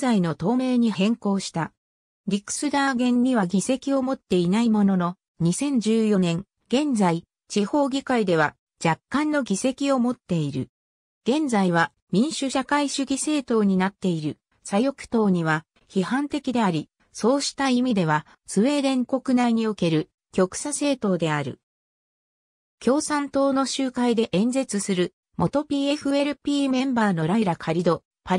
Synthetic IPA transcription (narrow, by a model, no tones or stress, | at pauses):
zaino̞t̪o̞ːme̞ːɲ̟ihẽ̞ŋko̞ːɕi̥t̪a | ɾʲikɯ̥sɨd̪aːɡẽ̞ɲ̟ːiβaɡʲise̞kʲio̞mo̞t̪ːe̞inaimo̞no̞no̞ | ɲ̟isẽ̞ɲ̟d͡ʑɨːjo̞nẽ̞ŋ | ɡ̥ẽ̞nd͡zai | t͡ɕiho̞ːɡʲikaid̪e̞β̞a | d͡ʑakːãnːo̞ɡʲise̞kʲio̞mo̞t̪ːe̞iɾɯ̟ | ɡ̥ẽ̞nd͡zaiβ̞a | mʲĩɰ̃ɕɨɕakaiɕɨɡʲise̞ːt̪o̞ːɲ̟inat̪ːe̞iɾɯ̟ | sajo̞kɯ̟̥t̪o̞ːɲ̟iβ̞a | çihãnt̪e̞kʲid̪e̞aɾʲi | so̞ːɕi̥t̪aimʲid̪e̞β̞a | sɨβe̞ːɾẽ̞ŋko̞kɯ̟naiɲ̟io̞ke̞ɾɯ̟ | kʲo̞kɯ̟̥sase̞ːt̪o̞ːd̪e̞aɾɯ̟̰ | kʲo̞ːsãnt̪o̞ːno̞ɕɨːkaid̪e̞ʔẽ̞nze̞t͡sɨsɨɾɯ̟ | mo̞t̪o̞pʲiːe̞ɸɯ̟e̞ɾɯ̟pʲiːmẽ̞mbaːno̞ɾaiɾakʰaɾʲid̪o̞ | pa